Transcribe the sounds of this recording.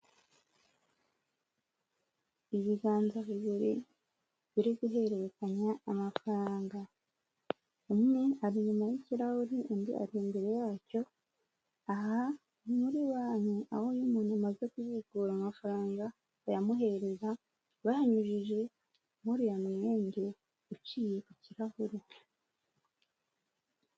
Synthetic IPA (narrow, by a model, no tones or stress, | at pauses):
iβiɡaːnzaβiβuɾi | βiɾiɡuɦe̞ɾe̞ɾekaɲaːmafɾaːŋɡa | umŋe̞aɾiɲumajiciɾahuɾindia̰ɾimbe̞ɾe̞jaːco̞ | aɦa | muɾiwaːɲeʔa̰ho̞jumuːnamaze̞kuβiɡuːɾamafɾaːŋɡaː | jamuɦe̞ɾe̞za | βahaɲuʒiʒe̞ | muɾijamijeːɲɟe | ut͡ʃijeʔiciɾahuɾi